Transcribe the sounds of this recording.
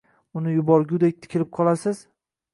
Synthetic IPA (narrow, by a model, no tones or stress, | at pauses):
ʊnɪjʊbɒɾɡʲʊd̪ek̚ʲt̪ʰɪ̥kʲʰɪlɪp̚qʰɒlˠasɪz